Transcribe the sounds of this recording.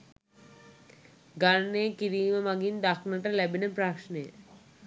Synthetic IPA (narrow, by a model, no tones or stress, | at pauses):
ɡaɾneekiɾiːməmaɡind̪aknəʈəlæbinəpɾakʃnəjə̰